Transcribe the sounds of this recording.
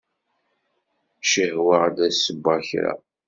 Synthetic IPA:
ʃəhwəʕd̪æsəbːaçɾa̰

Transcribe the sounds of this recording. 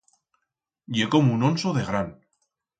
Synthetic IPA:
jekomunonsoðeɣɾan

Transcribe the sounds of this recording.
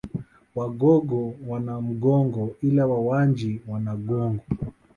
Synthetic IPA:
waɡɔɡɔwanam̩ɡɔŋɡɔilawawand͡ʒiwanaɡɔŋɡɔ

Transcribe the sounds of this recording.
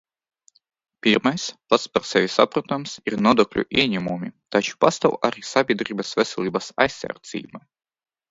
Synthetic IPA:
pʲiɾmajspat̪spaɾsʲɛvʲisa̰pɾat̪amsiɾnɔd̪ɔklʲṵʔiɛɲʲɛmumʲit̪at͡ʃu̥past̪awʔaɾisabʲiɛd̪ɾʲiːbasvʲɛsʲɛlʲˠiːbasa̰jsːa̰ɾd̪zʲḭːjma

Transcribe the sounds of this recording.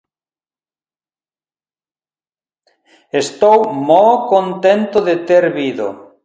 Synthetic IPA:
est̪owmowkont̪ent̪oðet̪eɾβiðo̰

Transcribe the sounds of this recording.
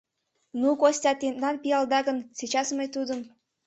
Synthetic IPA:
nukosʲtʲɑt̪end̪ɑnpijɑlˠd̪ɑɣənsit͡ɕɑsməjt̪ud̪əm

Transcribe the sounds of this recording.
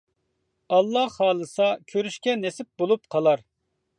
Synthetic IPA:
ɑlˠːɑhɑːlˠɨsɑkʲʰøɾyʃkʲɛnesɪp̚bolˠupqʰɑlˠɑɾ

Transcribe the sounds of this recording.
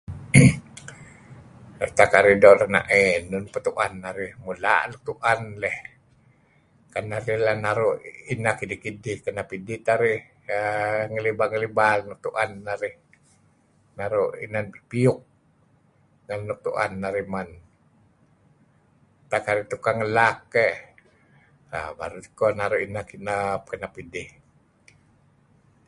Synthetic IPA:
ət̪akaɾidolana̰ʔɛnʊnpət̪uʔanːaɾɪhmula̰ʔluk̚t̪uʔanlɛh | kanaɾɪhlanaɾoʔinakidikidihkanapidit̪aɾɪh | ŋəlibaŋəlibanuk̚t̪uʔanːaɾɪh | naɾoḭnanpiʊk̚ | ŋalnuk̚t̪ṵʔa̰nːaɾiman | t̪akaɾit̪ukaŋəlakːɛ | a̰ba̰ɾut̪kɔnaɾuʔinakinap̚kənapidɪh

